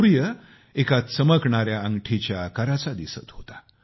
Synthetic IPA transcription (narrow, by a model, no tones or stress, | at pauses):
ɾjə | ekat̪səməkɳaɾjaəŋɡʈʰit͡ɕjakəɾat͡sad̪isə̰t̪ɦot̪ḁ